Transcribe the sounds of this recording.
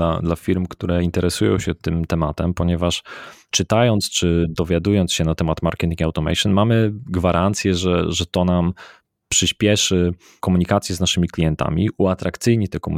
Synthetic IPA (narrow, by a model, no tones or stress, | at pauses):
ad̪lafʲiɾmkt̪uɾɛint̪ɛɾɛsujɔ̰̃w̃ɕɛt̪ɘmt̪ɛmat̪ɛmpɔɲɛvaʂt͡ʂɘt̪ajɔnt̪st͡ʂɘd̪ɔvʲjad̪ujɔnt̪ɕɛnat̪ɛmat̪maɾkɛt̪iŋɡawt̪ɔmɛ̰jʂɨnmamɘɡvaɾʔant̪sʲjɛʐɛʐɛt̪ɔnam | pʂɘɕpʲjɛʂɘ | kɔmuɲikat̪sʲjɛznaʂɘmʲiklʲijɛnt̪a̰mʲiuat̪ɾakt̪sɘjɲit̪ɛkɔmṵ